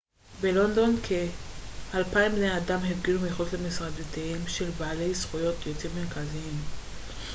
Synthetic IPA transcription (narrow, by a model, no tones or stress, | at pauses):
be̞lo̞nd̪o̞nkʰehalpaimbnejadamhefɡilumeχotlemisʁad̪ot̪iimʃe̞lbaale̞jsχujo̞tʰjot͡simmeʁkaziim